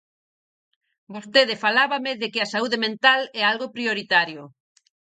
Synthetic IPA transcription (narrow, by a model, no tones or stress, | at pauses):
bost̪eð̞ɪfalaβameðekɪasauðemẽnt̪alɛalɣopɾioɾit̪aɾjʊ